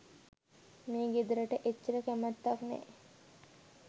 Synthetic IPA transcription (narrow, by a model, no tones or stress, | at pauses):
meːɡid̪ɾəʈəʔet͡ʃːəɾəkæmət̪ːaknɛ̰